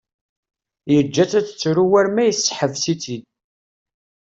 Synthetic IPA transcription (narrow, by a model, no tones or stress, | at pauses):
jəd͡ʒːæt͡sːæt͡sːə̥t͡sːɾuwæɾmæjəsːħəvsit͡sid̪